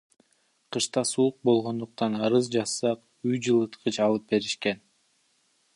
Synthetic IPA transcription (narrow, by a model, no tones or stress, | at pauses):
qʰɯʃt̪ɑsuuq̚bo̞lˠʁo̞nd̪uq̚t̪ɑnɑɾɯzd͡ʒɑsːɑq | yjd͡ʒɯlˠɯt̪qʰɯt͡ʃɑlˠɯp̚be̞ɾiʃke̞n